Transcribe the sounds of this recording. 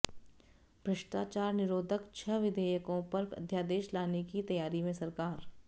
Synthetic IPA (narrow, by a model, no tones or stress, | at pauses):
b̥ʱɾɪʃʈaːt͡ʃaːɾnɪɾoːd̪ʱəkt͡ʃʰɐʋɪd̪ʱeːjəkõpɐɾɐ̰d̪ʱjaːd̪eːʃlaːnekit̪ɐjaːɾimẽsɐɾkaːɾ